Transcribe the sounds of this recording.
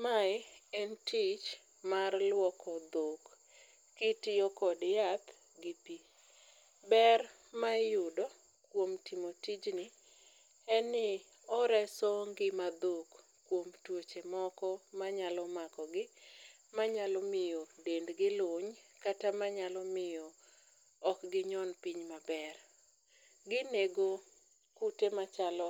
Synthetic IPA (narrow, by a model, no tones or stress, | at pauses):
maɪɛntit͡ʃ | marlwɔkɔd̪okː | ɪtɪɔkɔdjat̪ | ɡɪpi | bɛr | majʊdɔ | kwomtimotid͡ʒnɪ | ɛnɪ | ɔɾɛsoŋɡɪmad̪ok | kːwomtwot͡ʃemɔkɔmaɲalɔmakɔɡɪ | maɲalɔmɪjɔdendɡɪloɲkatamaɲalɔmɪjɔ | ɔkɡɪɲɔnpiɲmabɛr | ɡɪneɡo | kutemat͡ʃalɔ